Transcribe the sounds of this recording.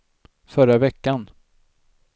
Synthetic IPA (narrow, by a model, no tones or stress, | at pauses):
fœɾavɛkːan